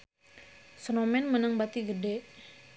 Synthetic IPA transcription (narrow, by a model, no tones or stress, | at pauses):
sənomɛnmənəŋbat̪iɡəde